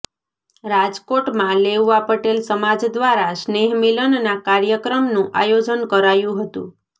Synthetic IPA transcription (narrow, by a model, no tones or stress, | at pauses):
ɾad͡ʒkoʈmãlewʋapəʈelsəmad͡ʒd̪ʋaɾasneɦmilənnakaɾjəkɾəmnũʔa̰jod͡ʒənkəɾajũɦət̪ṵ̃